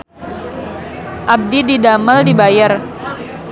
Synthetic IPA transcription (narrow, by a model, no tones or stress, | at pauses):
ʔab̚dididaməldibajar